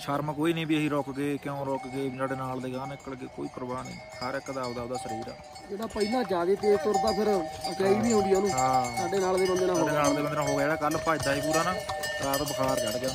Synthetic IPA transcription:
ʃəɾmkoːiːnĩːbiːəɦiːɾɔːkɡeːkjõɾɔːkɡeːsaːɖeːnaːld̪eːɡaːnɪkːɽɡeːko̰ːiːkʊɾbaːnḭːsəɾɪkːəd̪aːʋd̪aːʋd̪aːsəɾiːɾa̰ː | d͡ʒeːd̪aːpəilãːd͡ʒaːd̪eːt̪eːt̪ʊɾd̪aːpʰɪɾət͡ʃaːiːbiːɦõːnd̪ijaːnũːɦãːsaːɖeːnaːld̪eːbənd̪eːnãːɦ̪enaːld̪eːbənd̪eːnãːɦoːɡɛːɽaːkəlpaːd̪aːɦiːp̬uːɾaːnaː | ɾaːt̪bəkʰaːɾt͡ʃəɽɡɪjaː

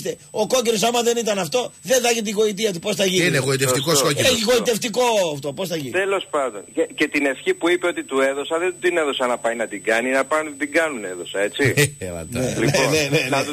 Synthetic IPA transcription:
t̪eoko̞ceɾos̬amɐðe̞nit̪ɐnɐft̪o̞ðeðɐʝiiɣo̞it̪̬iɐt̪̬upo̞sθɐʝiineɣoit̪eft̪ikoskoceeiɣo̞it̪eft̪iko̞ft̪o̞po̞sθɐʝint̪elo̞spɐnd̪o̰nce̞t̪ine̞fçipuipeo̞t̪it̪ue̞ðo̞sɐðed̪ineðo̞sɐnɐpɐjnɐt̪iɡɐninɐpɐnd̪iɡɐnune̞ðo̞sɐe̞t͡siɐ̰t̪nelineoneneɐ

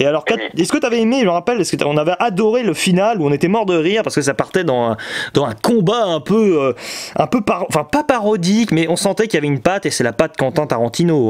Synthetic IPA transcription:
ealɔʁkaesə̥kət̪yavɛemeʒəməʁapɛlsəkət̪ɔ̃navɛʔad̪ɔʁeləfinaluɔ̃net̪ɛmɔʁd̪əʁiʁpaʁsəkəs̬apaʁt̪ɛd̪ɑ̃ɛ̃d̪̥ɑ̃ɛ̃kɔ̃baɛ̃pøøɛ̃pøpaɑ̃fɛ̃papaʁɔd̪ikmɛʔɔ̃sɑ̃t̪ɛkʲiljavɛynpat̪esɛlapat̪̚kɑ̃t̪ɛ̃t̪aʁɑ̃t̪ʰino

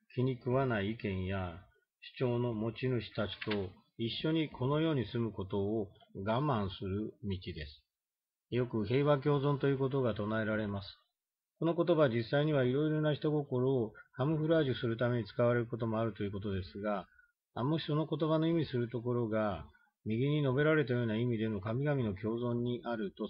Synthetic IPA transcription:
kʲiɲ̟ikɯ̟βanaiːkẽ̞ɰ̃ja | ɕi̥t͡ɕo̞ːno̞mo̞t͡ɕinɯ̟ɕi̥t̪at͡ɕi̥t̪o̞ | iɕːo̞ɲ̟ikʰo̞no̞jo̞ːɲ̟isɨmɯ̟ko̞t̪o̞ːɡamãɰ̃sɨɾɯ̟mʲit͡ɕid̪e̞sɨ̥ | jo̞kɯ̟ɦe̞ːβak̬ʲo̞ːzõ̞nt̪o̞jɯ̟ːko̞t̪̬o̞ɡat̪o̞nae̞ɾaɾe̞masɨ̥ | ko̞no̞ko̞t̪o̞baβd͡ʑisːaiɲ̟iβ̞aiɾo̞iɾo̞naçi̥t̪o̞ɡo̞ko̞ɾoːhamɯ̟ɸɯ̟ɾaːʑisɨɾɯ̟t̪ame̞ɲ̟it͡sɨ̥kaβaɾe̞ɾɯ̟ko̞t̪̬o̞mo̞aɾɯ̟t̪o̞jɯ̟ko̞t̪o̞d̪e̞sɨɡa | mo̞ɕi̥so̞no̞ko̞t̪o̞βano̞imʲisɨɾɯ̟t̪o̞k̬o̞ɾo̞ɡa | mʲiɡʲiɲ̟ino̞be̞ɾaɾe̞t̪ajo̞ːnaimʲid̪e̞no̞kamʲiɡamʲino̞k̬ʲo̞ːzõ̞ɲ̟ːiʔaɾɯ̟t̪o̞

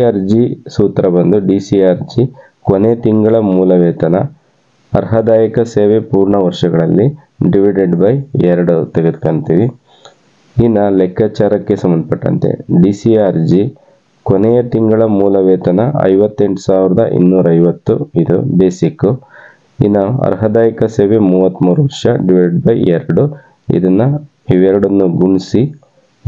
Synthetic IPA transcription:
aːɾd͡ʒisuːt̪ɾɐbɐnd̪uɖisiaːɾd͡ʒi | konet̪iŋɡɐɭɐmuːlɐʋɛːt̪ɐnɐ | ɐɾɦɐd̪aːjɐkɐseːʋepuːɾɳɐʋɐɾʂɐɡɐɭɐlːi | ɖiʋiɖeɖbɐjɛɾɐɽut̪eɡed̪ukɐɳt̪iʋi | inːɐlɛkːaːt͡ʃaːɾɐkːe̞sɐmːɐnd̪ɐpɐʈːɐ̰nt̪e̞̰ɖiːsiaːɾd͡ʒi | konejɐt̪iŋɡɐɭɐmuːlɐʋɛːt̪ɐnɐɐ̰jʋɐt̪ːe̞ɳʈu̥saːʋiɾɐd̪ɐ̰ʔḭnːuːɾɐɐjʋɐt̪ːuid̪ṵb̪eːsikːu | ḭnɐɐ̰ɾɦɐd̪aːjikɐseːʋe̞muːʋɐt̪ːmuːɾuʋɐɾʂɐɖiʋiɖeɖbɐjɛɾɐɽu | ḭd̪ɐnːɐ | iʋɛɾɐɽɐnːuɡuɳisi

